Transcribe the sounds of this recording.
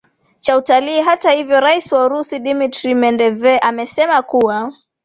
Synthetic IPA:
t͡ʃautaliːɦatahivjɔɾaisiwauɾusiɗimitɾimɛndɛvɛʔamɛsɛmakuwa

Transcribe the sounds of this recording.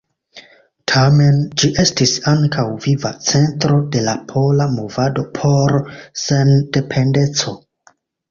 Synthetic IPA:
tʰame̞nd͡ʒiʔe̞stisaŋkʰawvivat͡se̞ntɾo̞de̞lapʰo̞lamovado̞pʰo̞ɾse̞nde̞pʰe̞nde̞t͡so̞

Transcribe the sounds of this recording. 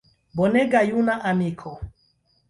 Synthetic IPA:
bɔnɛɡajunaʔamikʰɔ

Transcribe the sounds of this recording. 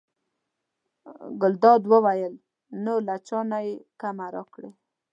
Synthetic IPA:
ɡʊld̪ɑd̪wəwajəl | nolat͡ʃɑnajekamaɾɑ̰kɽe

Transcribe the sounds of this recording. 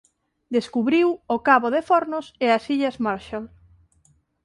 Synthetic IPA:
d̪eskuβɾiwʊkaβoðefɔɾnʊseasiʎazmaɾʃal

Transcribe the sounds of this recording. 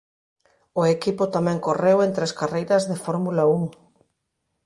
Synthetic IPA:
ʊekipʊt̪amɛ̃ŋkorewent̪ɾeskarejɾɐzðefɔɾmulɐuŋ

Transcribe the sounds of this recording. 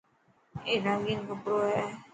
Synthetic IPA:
eːɾãŋɡɪŋkəpɾoːɦɛː

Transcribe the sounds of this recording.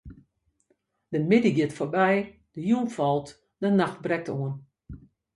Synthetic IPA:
d̥əmɪdiɡiətforbɛjd̥əjunfɔlˠt | d̥ənaxt̚brɛk̚toən

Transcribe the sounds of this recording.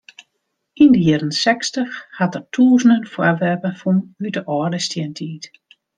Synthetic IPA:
indəjɪɾənsɛkstəxhatərtʰuːzən̩dənfwɔrʋɛrpəfunydəʔɔːrdəstjɛntʰiːt

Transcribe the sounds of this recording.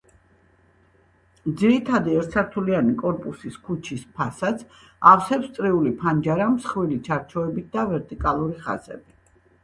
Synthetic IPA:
d̪ziɾit̪ʰad̪iɛɾt̪sʰaɾt̪ʰulianikʼɔɾpʼusiskʰut͡ʃʰispʰasat̪sʰ | afsɛpst̪sʼɾiulipʰand͡ʒaɾamsχwilit͡ʃʰaɾt͡ʃʰɔɛbit̪̚ʰd̪avɛɾt̪ʼikʼalˠuɾiχa̰zɛ̰bi

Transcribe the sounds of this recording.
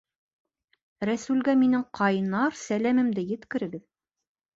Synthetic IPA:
ɾæsʉlɡæminɘŋqʰɑjɤnɑɾsælæmɘ̆md̪ɘjɘ̆t̪kɘ̆ɾɘ̆ɡɘð

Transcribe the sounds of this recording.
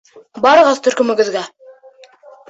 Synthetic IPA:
bɑɾɤ̆ʁɑðt̪ʰɵ̆ɾkɵ̆mɘ̆ɡɘ̆ðɡæ

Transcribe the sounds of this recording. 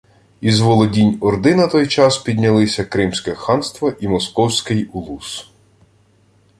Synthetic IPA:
izʋɔlˠɔdʲinʲɔrd̪ɪnɐt̪ɔjt͡ʃɑspʲid̪ʲnʲɐlˠɪsʲɐkɾɪmsʲkɛxɑnst̪ʋɐʔimɔskɔwsʲkɪjulˠus

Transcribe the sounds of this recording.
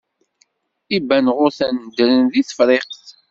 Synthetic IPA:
ibænʁʊɾθænd̪ɾənðiθə̥fɾeqθ

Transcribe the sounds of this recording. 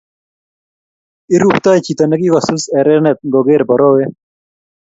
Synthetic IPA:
iɾupt̪aːjt͡ɕit̪ɐnɐɡiwɐsuseɾenet̪̚ɡoɡeːɾbɐɾoːwe

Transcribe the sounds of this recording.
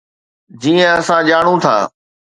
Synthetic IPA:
d͡ʑiːə̃ɐsãʄaːɽ̃ũt̪ʰa̰ː

